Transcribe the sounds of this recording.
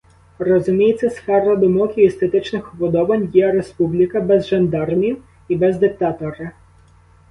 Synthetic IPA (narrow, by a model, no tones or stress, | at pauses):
rɔzʊmʲijet͡sʲːɐsfɛɾɐd̪ɔmɔkʲiest̪et̪ɪt͡ʃnɪxɔbɔd̪ɔʋɐnʲjɛɾespublʲikɐbɛzʒend̪ɑrnʲiw | ibɛzd̪ɪk̚t̪ɑt̪ɔɾɪ